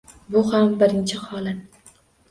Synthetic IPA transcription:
bʊhambɪɾɪnt͡ʃʰɪhɒlat̪

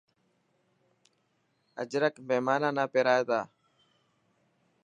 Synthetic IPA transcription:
ə̰d͡ʒɾəkmeːmaːnaːnaːpeɾaːet̪aː

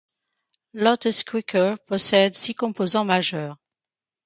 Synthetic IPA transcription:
lɔt̪skwikʰəpɔsɛd̪sikɔ̃pozɑ̃maʒœːʁ

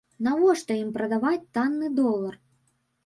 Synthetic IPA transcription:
navɔʂt̪ɔimpɾɐd̪avat͡sʲt̪anːɨd̪ɔlˠːɐr

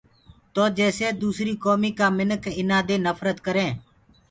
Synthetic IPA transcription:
t̪oːd͡ʒɛːseːd̪uːsɾiːkoːmiːkaːmɪnəkɪnãːd̪eːnəfɾət̪kəɾẽː

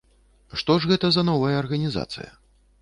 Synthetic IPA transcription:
ʂt̪ɔʐɣɛt̪ɐzɐnɔvɐjɐːrɣɐnʲiza̰t̪sɨ̰jɐ̰

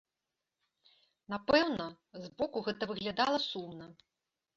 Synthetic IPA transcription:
napɛwnɐ | zbɔkuɣɛt̪ɐvɨɣlʲad̪alˠɐsumnɐ

